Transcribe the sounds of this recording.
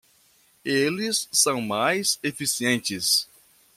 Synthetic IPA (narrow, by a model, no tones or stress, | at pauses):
elɪsːɐ̃w̃majzefisiẽnt͡ʃɪs